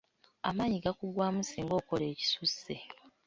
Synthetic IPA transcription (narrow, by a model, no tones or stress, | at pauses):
a̰maːɲiɡakuɡwaːmusiːŋɡo̞ːko̞le̞ːci̥susːe